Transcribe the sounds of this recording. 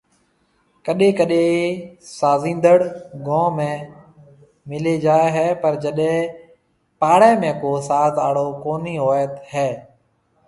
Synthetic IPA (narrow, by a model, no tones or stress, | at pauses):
kəɗẽːkəɗẽ | saːzĩːnd̪əɽɡõːmẽː | mɪled͡ʒaːeɦɛːpəɾd͡ʒəɗẽ | paːɽɛ̃ːmẽːkoːsaːd̪aːɽoːkoːniːɦoːjət̪hɛː